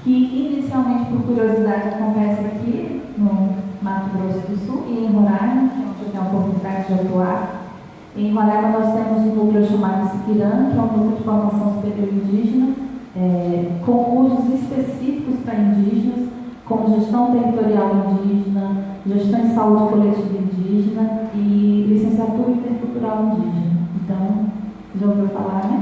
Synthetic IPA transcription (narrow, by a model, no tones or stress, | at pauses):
kɪinisiawmẽt͡ʃɪ̥pʊɾkuɾiozid̪ad͡ʒɪkɪ̥kõmɛsaki | nʊnat̪ʊɡɾosʊd̪ʊsuwʔɪẽj̃ɦoɾaʒẽkɛ̃ɐkɛũpokʊt̪ɛɾt͡ʃ̪ʊd͡ʒɪat̪uaɾ | ẽj̃mɐnɛɾɐnɔst̪ẽmʊzũnukluʊʃamad̪ʊsipiɾɐ̃nɐkɪɛũd̪ukleʊd͡ʒɪfoɾmasɐ̃w̃supeɾioɾĩnd͡ʒiʒenɐɛkõw̃kusʊzɪspesifikʊspɾɐĩd͡ʒiʒenɐs | kõʒeʃt̪ɐ̃w̃t̪eɦit̪oɾiawĩnd͡ʒiʒenɐ | ʒeʃt̪ɐ̃w̃d͡ʒɪsaud͡ʒɪkolet͡ʃivɐĩnd͡ʒiʒenɐɪlisẽsiat̪uɾĩt̪ẽkuwt̪uɾawĩnd͡ʒiʒenɐẽnt̪ɐ̃w̃ | ʒɐ̃veɾfa̰laɾnɛ